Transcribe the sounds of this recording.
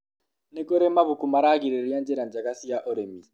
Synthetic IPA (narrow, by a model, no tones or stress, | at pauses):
nekoɾɛmaβukumaɾaɡiɾeɾijand͡ʒɛɾand͡ʒakasijaʔɔɾemi